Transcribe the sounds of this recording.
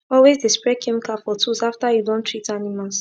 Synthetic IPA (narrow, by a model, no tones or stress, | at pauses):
ɔlwezdispɹɛkʰɛmikalfɔtʰuzaftajudõntʰɹitanimals